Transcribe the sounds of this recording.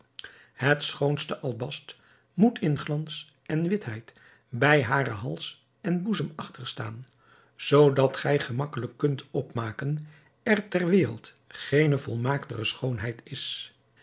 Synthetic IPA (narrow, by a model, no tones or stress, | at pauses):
ɦətsχownstəʔɑlˠbɑst | mutʰɪnχlɑns | ʔɛnʋɪtɦɛjt | bɛjɦaːrəɦɑlˠs | ɛnbuzəmɑχtəɹstaːn | z̥owdɑtχɛjχəmɑkələkːɵntɔpmaːkən | ɛɹtɛɹʋɪːrəlˠt | χejnəvɔlˠmaːktəχəsχownɦɛjtɪs